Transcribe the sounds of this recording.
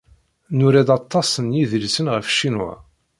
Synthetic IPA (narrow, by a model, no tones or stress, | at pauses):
nʊɾæd̪ɑt̪ˤːɑsˤənjiðəlsənʁəfʃinwæ̰